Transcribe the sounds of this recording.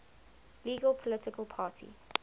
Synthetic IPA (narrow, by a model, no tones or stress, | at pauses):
liːɡəlˠpʰɔlɪtɪkəlˠpʰaːˑtʰḭ